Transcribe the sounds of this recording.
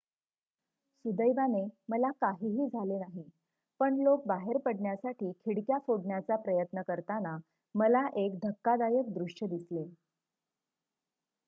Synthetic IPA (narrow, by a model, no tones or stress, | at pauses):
sud̪əjbaneməlakaɦiːɦiːd͡zʱalenaɦi | pəɳlok̚baɦeɾpəɽɳjasaʈiːkʰiɽkjafoɽɳjat͡sapɾəjət̪nəkəɾt̪ana | məlaʔek̚ɖʱəkːad̪ajək̚d̪ɾuʂjəd̪isle